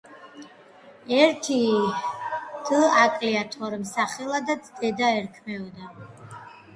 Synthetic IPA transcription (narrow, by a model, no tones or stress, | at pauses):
ɛɾt̪ʰi | d̪̥əakʼliat̪ʰɔɾmsaχɛlˠad̪at̪sʰd̪ɛd̪aɛɾkʰmɛɔd̪a